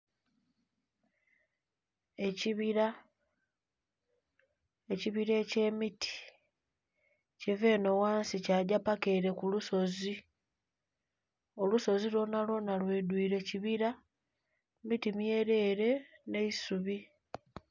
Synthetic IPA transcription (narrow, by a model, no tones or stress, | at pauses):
e̞ciβiɾa | e̞ciβiɾeːce̞ːmitʰi̥ | ceve̞ːno̞waːnsicaɟapake̞ɾe̞kuluso̞zi | o̞luso̞zilo̞nalo̞nalwedwiːɾe̞ciβiɾa | mitimjeːɾe̞ɾe̞ne̞isuβi